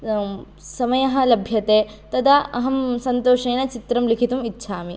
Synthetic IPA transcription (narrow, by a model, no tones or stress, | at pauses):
sɐmɐjɐɦɐ̆lɐbʱjɐt̪eː | t̪ɐd̪ɐɐɦɐmsɐnt̪oːʂeːnɐt͡ʃit̪ɾɐmlikʰit̪umitːʃʰaːmi